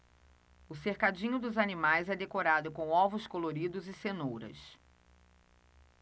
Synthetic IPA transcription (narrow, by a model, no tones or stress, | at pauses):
ʊseɾkad͡ʒĩɲʊd̪ʊzanimajzɛd̪ekoɾad̪ʊkõw̃ɔvʊskoloɾid̪ʊzɪsenowɾɐ̰s